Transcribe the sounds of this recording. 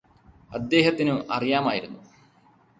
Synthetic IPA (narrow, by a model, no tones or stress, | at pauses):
ɐd̪ːe̞ːɦɐt̪ːinɨʔɐrijaːmaːjiɾunːu